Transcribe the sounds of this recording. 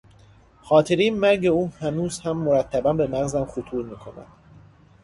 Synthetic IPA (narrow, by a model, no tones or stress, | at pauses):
χɒːt̪ʰe̞ɾiːmæɾɟe̞uːhænuːzhæmːoɾæt̪ʰːæbænbe̞mæɣzæmxot̪ʰuːɾmiːkʰo̞næ̰nd̪̥